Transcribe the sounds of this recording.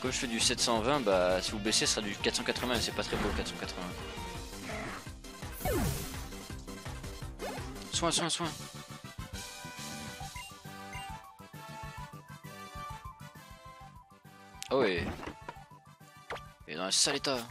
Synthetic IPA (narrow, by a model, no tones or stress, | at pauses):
kɔmʒəfɛd̪ysɛt̪sɑ̃vɛ̃basivubesesə̥sχad̪ykat̪sɑ̃kat̪χəvɛ̃esɛpat̪χɛbokat̪sɑ̃kat̪χəvɛ̃wa | swɛ̃swɛ̃swɛ̃ | awi | ed̪ɑ̃lasalet̪a